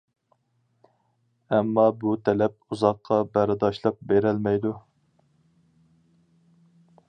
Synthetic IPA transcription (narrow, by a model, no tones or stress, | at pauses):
ɛmːɑbut̪ʰɛlɛp̚uzɑqʰːɑbæɾɨd̪ɑʃlˠɑp̚beɾɛlmɛjd̪u